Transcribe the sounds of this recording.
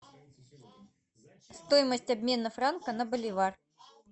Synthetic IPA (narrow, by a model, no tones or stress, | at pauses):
st̪ojɪməsʲtʲɐbʲmʲe̞nəfɾankənɐbəlʲɪvar